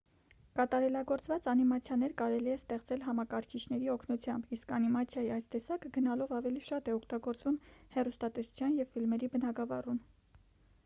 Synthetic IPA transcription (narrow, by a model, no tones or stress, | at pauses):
kɑt̪ɑɾɛlɑɡɔɾt͡svɑt͡sɑnimɑt͡sʰjɑnɛɾkɑɾɛliɛst̪ɛχt͡sɛlɦɑmɑkɑɾkʰit͡ʃʰn̪ɛɾiɔkʰnut͡sʰjɑmbiskɑnimɑt͡sʰjɑjiɑjst̪ɛsɑkəɡənɑlɔvɑvɛliʃɑt̪ɛɔkʰt̪ɑɡɔɾt͡svumhɛrust̪ɑt̪ɛsu̥t͡sʰjɑnjɛvfilmɛɾibənɑɡɑvɑrun